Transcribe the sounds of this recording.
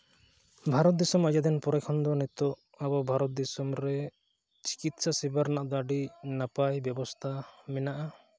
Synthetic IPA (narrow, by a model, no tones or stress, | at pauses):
bʱaɾɔt̪̚d̪isɔmad͡ʒad̪ɛnpɔɾɛkʰɔnd̪ɔnɛt̪ɔʔ | abɔbʱaɾɔt̪̚d̪isɔmɾɛ | t͡ʃi̥kit̪sasibaɾnaʔd̪aɖinapajbjɛbɔst̪ʰamɛnaʔa